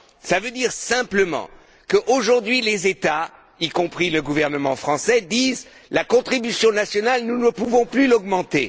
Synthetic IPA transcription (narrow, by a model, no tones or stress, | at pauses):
savød̪iʁsɛ̃pləmɑ̰̃ | kəʔoʒuʁd̪ɥilezet̪a | ikɔ̃pχiləɡuvɛʁnəmɑ̃fχɑ̃sɛd̪iz | lakɔ̃t̪χibysjɔ̃nasjɔnalnunəpuvɔ̃plylɔɡmɑ̃t̪e